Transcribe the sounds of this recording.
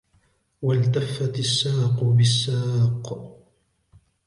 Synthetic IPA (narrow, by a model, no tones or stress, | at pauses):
walt̪afːat̪asːaːqʊbɪsːaːq